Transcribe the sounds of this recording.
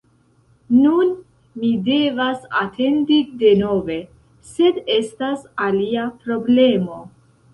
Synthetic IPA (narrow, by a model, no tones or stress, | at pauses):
nun | mide̞vasa̰tʰe̞ndide̞no̞ve̞ | se̞de̞stasaliapɾo̞ble̞mo̞